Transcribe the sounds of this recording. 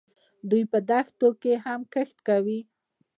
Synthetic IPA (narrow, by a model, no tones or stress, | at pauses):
d̪ujpəd̪axt̪okehamkəxt̪kawi